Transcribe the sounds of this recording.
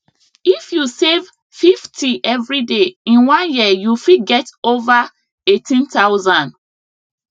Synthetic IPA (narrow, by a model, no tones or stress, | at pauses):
ifjusev | fiftʰiʔɛvɹideĩnwãnjijufiɡɛtova | etʰĩntaʊzãn